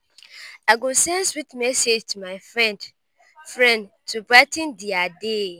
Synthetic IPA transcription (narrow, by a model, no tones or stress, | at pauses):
aɡosɛ̃nswitmɛsed͡ʒtʰumaɪfɹɛ̃nd | fɹɛ̃nd | tʰubɹatĩndiade